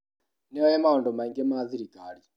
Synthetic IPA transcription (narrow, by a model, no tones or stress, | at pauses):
nɛɔjɛmaɔndɔmaiŋɡɛmaːθiɾikaɾi